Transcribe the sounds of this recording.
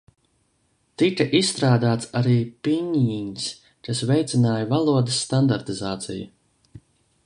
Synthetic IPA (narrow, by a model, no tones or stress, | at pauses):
t̪ikaʔisst̪ɾaːd̪aːt̪saɾiːpiɲins | kasvɛjt̪sʲinaːjɐvalˠuɔd̪ɐsːt̪and̪aɾt̪izaːt̪sija